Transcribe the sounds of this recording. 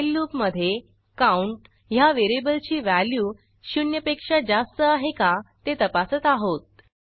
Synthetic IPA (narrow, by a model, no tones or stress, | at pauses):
lːupməd̪ʱːje | kauɳʈ | ɦjaʋeɾebəlt͡ɕiːʋæljuː | ɕunjəpekʂad͡zast̪əaɦekat̪et̪əpasət̪aɦot̪̚